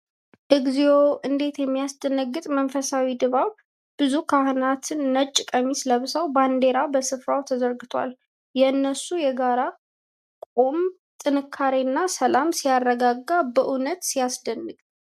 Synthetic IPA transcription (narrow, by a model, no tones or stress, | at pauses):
ʔɨɡzijoʔɨnd̪e̞t̪jɛmːijasd̪̥ənːəɡɨt̪ʼmənfəsawid̪ɨβaβ | b̥ɨzukʰahɨnat̪ʰɨnːət͡ʃʼːɪkʼəmisləβɨsawband̪e̞ɾabəsɨfɾawt̪ʰəzəɾɡɨt̪ʰwa̰l | jɛɨnːəsujɛɡaɾa | kʼom | t̪ʼɨnɨkʰːaɾenːasəlamsijarːəɡaɡːabəʔunət̪sijasd̪ənːɨɡʼ